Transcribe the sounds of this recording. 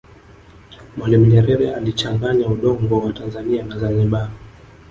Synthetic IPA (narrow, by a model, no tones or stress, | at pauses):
mwalimuɲɛɾɛɾɛalit͡ʃaŋɡaɲauɗɔŋɡɔwatanzanianazaniɓa